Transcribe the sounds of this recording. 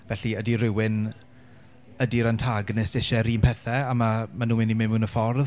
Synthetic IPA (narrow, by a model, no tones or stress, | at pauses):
vɛɬiədiɾɪwɪn | ədiɾantʰaɡnɪsɪʃɛɾiːmpʰɛθɛamamanuːmɪnimɪmunəfɔrð